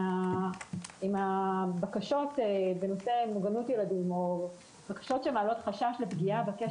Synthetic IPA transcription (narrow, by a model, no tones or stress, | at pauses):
a | imabakaʃo̞tebeno̞se̞moɡanutjeladimo̞ | b̥akḁʃo̞tʃemaalo̞tχaʃaʃlepɡiabeke